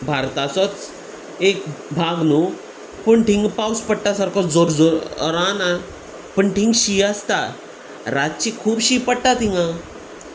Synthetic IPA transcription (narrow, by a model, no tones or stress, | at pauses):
bʱaɾt̪asɔt͡s | ekbʱaɡnu | pəɳʈiŋɡpawspəɽʈasaɾkʰɔd͡zoɾd͡zoɾɾana | pəɳʈʰĩŋɡɕiast̪a | ɾat͡ɕikʰuːbɕiːpəɽʈ̪at̪ĩŋɡã